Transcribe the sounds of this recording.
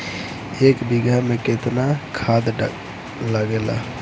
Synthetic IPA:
eːkbiɡamẽket̪nakʰaːd̪ | ləɡeːla̰ː

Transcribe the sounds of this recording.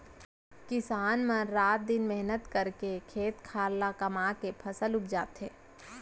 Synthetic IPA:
kɪsaːnmɐ̃ɾaːt̪̚d̪ɪnmɛɦnət̪kɐɾkekʰeːt̪kʰaːɾlːakɐmaːkepʰɐsəlʊpʰd͡ʒaːt̪ɦeː

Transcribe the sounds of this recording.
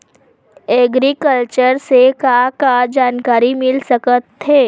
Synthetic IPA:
eɡɾikəlt͡ʃəɾsekakad͡ʒaːnkaːɾimɪlsɐkət̪ɦeː

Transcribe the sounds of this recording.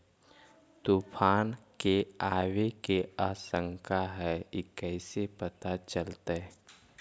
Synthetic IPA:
t̪upʰaːnkeaːwekeaːsə̃ŋkʰaɦɛekɛːsepət̪at͡ʃəlt̪aɛ

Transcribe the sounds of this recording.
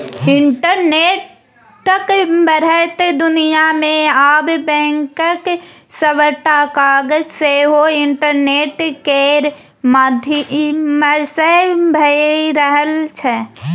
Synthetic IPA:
ɪɳʈəɾneːʈː | əkbəɾət̪ed̪ʊnijamẽaːbbɛ̃ːŋkək | səwəʈakaːɡəd͡ʒseɦoɪɳʈəɾneːʈkeɾ | mad̪ʱiməsebʱəɾəɦəlt͡ʃʰɛ

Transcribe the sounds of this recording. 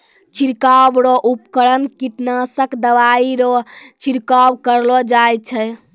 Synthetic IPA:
t͡ʃiɾkabɾɔʔupkəɽənkiʈnasəkd̪əʋaiɾɔt͡ʃiɾkabkəɾlɔd͡ʒaj̚t͡ʃʰɛ

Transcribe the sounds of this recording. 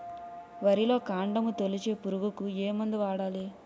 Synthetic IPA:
ʋɐɾilo̞ːkaːɳɖɐmut̪olit͡ʃe̞ːpuɾuɡukueːmɐnd̪iʋaːɽaːli

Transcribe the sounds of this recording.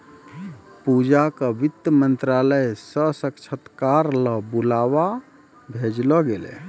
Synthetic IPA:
pud͡ʒakəʋit̪ːəmənt̪ɾaləjsəsəkt͡ʃʰət̪kaɾləbulawa | bʱed͡ʒlɔɡelɛ̰

